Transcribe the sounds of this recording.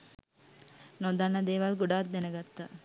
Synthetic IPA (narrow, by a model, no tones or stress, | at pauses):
nod̪anːəd̪eːʋalɡuɖaːt̪̚d̪enəɡat̪ːə